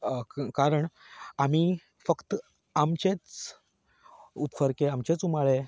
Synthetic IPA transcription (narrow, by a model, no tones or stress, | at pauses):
kaɾəɳam̤iː | fəkt̪ | amt͡ɕet͡s | up̪fəɾkeamt͡ɕet͡sumaɭe